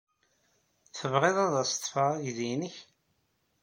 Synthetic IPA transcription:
θəvʁɪðˤɑðˤɑst̪ˤːfɑʁʝðinəç

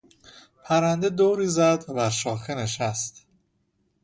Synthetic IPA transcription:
pʰæɾænd̪ed̪oːɾiːzæd̪bæɾʃɒːxeneʃæst̪

